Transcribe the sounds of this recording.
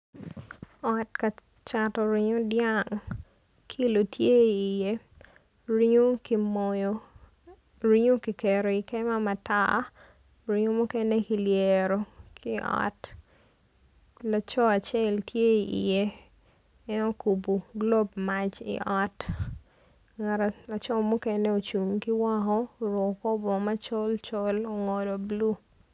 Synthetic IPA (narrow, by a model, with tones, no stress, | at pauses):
ɔtka˨ | t͡ʃatɔ˨ɾi˦ɲo˦djaŋ | kʰi˦lo˨tʰje˦iː˨je˦ | ɾi˦ɲo˦ki˨mɔ˨jo˦ | ɾi˦ɲo˦ki˨ke˨ɾo˨i˨kɛ˦ma˦ma˨ta̰ | ɾi˦ɲo˦mʊ˦kɛ˦ne˦ki˨ljeɾo˨kʰi˦ʔɔ̰t | la˨t͡ʃɔ˦a˨t͡ʃɛ˦ltje˦i˨ʔḭ˨je˦ | ɛ˦no˦ku˨bu˨ɡlo˦bma˨t͡ʃḭʔɔ˦t | ŋa˨ɾa˨la˨t͡ʃɔ˦mu˦kɛ˦ne˦o˨t͡ʃu˨ŋki˦wa˦kɔ˦ɾɔ˨kɔ˦bɔ˨ma˦t͡ʃo˦lt͡ʃo˦lo˨ŋɔ˨do˨blu˦